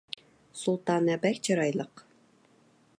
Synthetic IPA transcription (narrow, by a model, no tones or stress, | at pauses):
sulˠt̪ɑnæbækt͡ɕɤɾɑjlˠɤq